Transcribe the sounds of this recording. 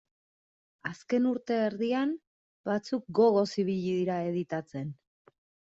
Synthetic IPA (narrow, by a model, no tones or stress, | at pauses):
aske̞nuɾt̪e̞ːɾðiam | bat͡suk̚ɡo̞ɣ̞o̞siβiʎiðiɾae̞ð̞it̪at͡se̞n